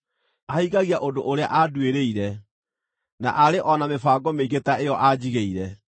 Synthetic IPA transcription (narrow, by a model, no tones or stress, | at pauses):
aiɣaɣiaʔodoʔoɾea̰ʔadweɾeiɾɛ | na̰ʔaɾeʔɔnamefaːɡɔmeiɣetaejɔʔad͡ʑiɣeiɾɛ